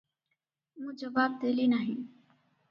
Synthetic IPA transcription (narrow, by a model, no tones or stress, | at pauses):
mũːd͡ʒəʋaːb̚d̪eːliːnaːɦĩː